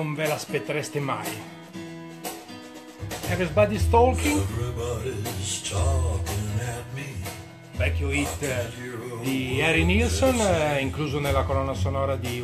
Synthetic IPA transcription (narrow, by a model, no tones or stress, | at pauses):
oɱvelaspet̪ːeɾɛst̪ema̰j | ɛvɾisbad̪ist̪ɔlkiŋvɹibɑɾiztʰɔkɪ̃næt̚mi | bɛkjoit̪ | d̪iɛɾinilsoniŋkluːzonelːakolɔnːasonɔːɾad̪i